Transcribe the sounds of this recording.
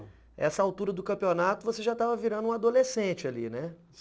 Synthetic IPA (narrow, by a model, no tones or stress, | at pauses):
ɛ̰sɐawt̪uɾɐd̪ʊkɐ̃pionat̪ʊvoseʒat̪avɐviɾɐ̃nd̪ʊũad̪olesẽt͡ʃɪalḭnɛ